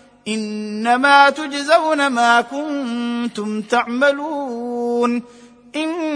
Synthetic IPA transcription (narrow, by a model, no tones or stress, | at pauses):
ʔɪnːamaːt̪ʊd͡ʒzawnamaːkʊnt̪ʊmt̪aʕmaluːn | ʔɪn